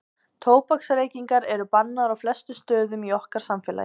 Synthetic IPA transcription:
t̪ʰoːwpaksɾeːjciŋkaɾɛɾʏpanːaɾawflɛst̪ʏst̪œːðʏmiɔhkaɾ̥samfɛːla̰j

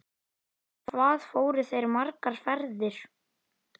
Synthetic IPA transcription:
θvaːðfoːwɾɪθejɾmaɾkaɾ̥fɛɾðɪɾ̥

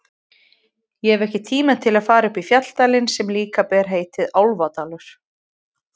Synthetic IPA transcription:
jɛɛvɛhcɪt̪ʰiːmaðt̪ʰɪlaðfaːɾaʏhpifjat̪l̥t̪aːlɪnsɛmliːkapɛːɾ̥ɦeːjt̪ɪðawlvat̪aːlʏɾ̥

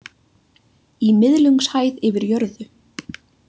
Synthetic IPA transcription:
imɪðlʏŋkshaːjðɪvɪɾjœɾðʏ

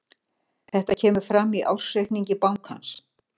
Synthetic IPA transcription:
θɛht̪acʰɛːmʏɾ̥fɾamːiʔa̰wsejhkniɲcɪpawŋkha̰ns

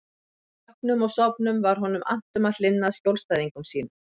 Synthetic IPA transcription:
ɔhknʏmɔɣsɔpnʏmvaɾ̥ɦɔnʏmʔa̰n̥t̪ʏmaðlɪnːaðscjowlst̪ajðiŋkʏmsiːnʏ

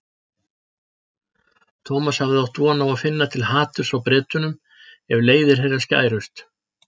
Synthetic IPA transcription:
t̪ʰɔːmashavðɪawht̪vɔːnawaðfɪnːat̪ʰɪlɦaːt̪ʏɾ̥fɾawpɾɛːt̪ʏnʏm | ɛvleːjðɪɾ̥ɦejrːasca̰ːjɾʏst̪

